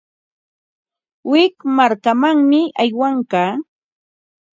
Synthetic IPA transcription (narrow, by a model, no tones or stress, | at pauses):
wɪkmaɾkamaŋmɪajwaŋkaː